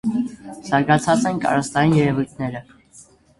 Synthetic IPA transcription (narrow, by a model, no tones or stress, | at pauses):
z̥ɑɾɡɑt͡sʰɑt͡sɛnkʰɑ̰ɾɑst̪ɑjinjɛɾɛvujt̪ʰnɛɾə